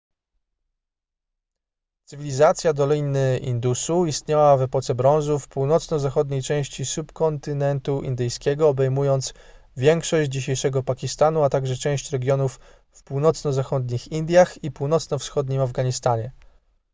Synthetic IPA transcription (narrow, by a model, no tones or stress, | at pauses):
t̪sɘvʲilʲizat̪sʲjad̪ɔlʲinɘʔḭnd̪usuist̪ɲawavɛpɔt̪sɛbɾɔ̃w̃zufpuwnɔt̪snɔzaxɔd̪ɲejt͡ʂɛ̃w̃ɕt͡ɕisupkɔnt̪ɘnɛnt̪uʔḭnd̪ɘjskʲɛɡɔːbɛjmujɔnt̪s | vʲjɛŋkʂɔɕd͡ʑd͡ʑiɕejʂɛɡɔpakʲist̪anuat̪aɡʐɛt͡ʂɛ̃w̃ɕt͡ɕɾɛɡʲjɔnufː | puwnɔt̪snɔzaxɔd̪ɲixind̪ʲjaxipuwnɔt̪snɔfsxɔd̪ɲimavɡaɲist̪aɲɛ